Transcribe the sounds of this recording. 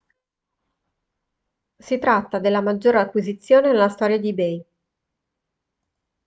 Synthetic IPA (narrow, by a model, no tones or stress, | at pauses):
sit̪ɾat̪ːad̪elːamad͡ʒːoːɾeakːwizit̪sːjoːnenelːast̪ɔːɾjad̪ibɛj